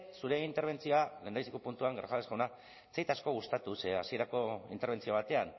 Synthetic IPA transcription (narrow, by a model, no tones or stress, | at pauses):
suɾe̞int̪e̞ɾβ̞e̞nt͡sio̞aɣend̪aisekupunt̪uaŋɡɾsalesɣawna | t͡sejt̪asko̞ɣust̪at̪useasie̞ɾako̞ḭnt̪eɾβe̞nt͡sioβ̞at̪e̞an